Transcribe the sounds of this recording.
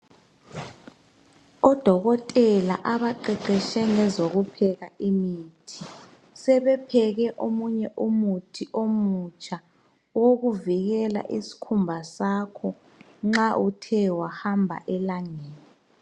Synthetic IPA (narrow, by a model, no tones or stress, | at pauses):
ɔd̥ʱɔɣɔtʼɛla̰ʔaβaǃɛǃɛʃɛŋɛzoɣupʰɛɣaʔimitʰi | sɛβɛpʰɛɣɛʔomuɲɛʔumutʰiʔomut͡ʃʼʰa | woɣuviɣɛla̰ʔisi̥kʰumbʱasakʰɔ | ŋ͡ǁaʔutʰɛwahambʱa̰ʔɛlaŋeːni